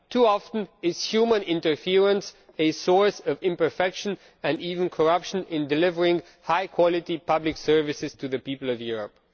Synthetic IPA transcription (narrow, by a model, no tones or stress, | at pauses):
tʰuɑfə̃n̩ɪz̥hjʉmə̃nɪ̃ntə˞fɪɹə̃ns | ɨsɔɹsʌvɪ̃mpə˞fɛkʃɨ̃n | ɨ̃ndivɨ̃nkʰə˞ʌpʃɨ̃nɪ̃ndɨlɪvə˞ɪ̃ŋ | haɪkʰw̥ɑlˠɨɾipʰʌblɨksɜ˞vɨsɨz̥tʰɨðɨpipl̩ˠʌvjʊɹə̰p̚